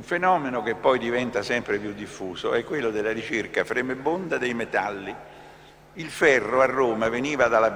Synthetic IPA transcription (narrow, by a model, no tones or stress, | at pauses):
uɱfenɔːmenok̟epːɔjd̪ivɛnt̪asɛmpɾepjud̪ːifːuːzoɛkːwelːod̪elːaɾit͡ʃerkafɾemebːond̪ad̪ejmet̪alːi | ilfɛrːoarːoːmaveniːvad̪alːa